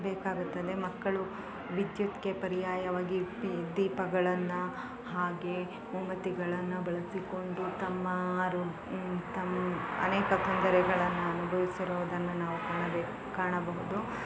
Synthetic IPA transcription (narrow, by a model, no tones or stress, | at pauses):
beːkaːɡut̪ːɐd̪e̞mɐkːɐɭu | ʋid̪jut̪kepɐɾijaːjɐʋaːɡid̪iːpɐɡɐɭɐnːu | haːɡe̞ | mumɐt̪iɡɐɭɐnːubɐɭɐsiko̞ɳɖut̪ɐmːɐɾu | t̪ɐmːɐ̰nɛːkɐk̪ɐnd̪ɐɾɛɡɐɭɐnːuɐnubʱɐʋisiɾuʋɐd̪ɐnːunaːʋukaːɳɐb | kaːɳɐbɐɦud̪u